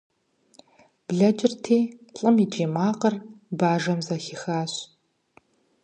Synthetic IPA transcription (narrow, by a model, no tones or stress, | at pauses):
b̥ɮɐd͡ʒʼɪrtʰeːɬʼɨmid͡ʒeːmaːqərbaːʒɐmzɐxɪxaːɕ